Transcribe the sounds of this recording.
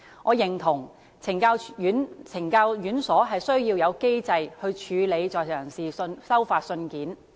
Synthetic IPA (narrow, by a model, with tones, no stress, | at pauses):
ŋʔɔː˨˧jɪ˨˩ŋt̪ʰʊ˨˩ŋ | t͡sʰɪ˨˩ŋkaː˧wyː˨˥nt͡sʰɪ˨˩ŋkaː˧wjyː˨˥nsɔː˨˥ɦɐ˨jsɵ˥ɥjiː˧wjɐ˨˧wke˥jt͡sɐ˧jhɵ˧ɥt͡ʃʰyː˨˧le˨˧jt͡sɔː˨˩jjœː˨˩ŋsiː˨˧nsɐ˥wfaː˧t̚sɵ˧nkiː˨˥n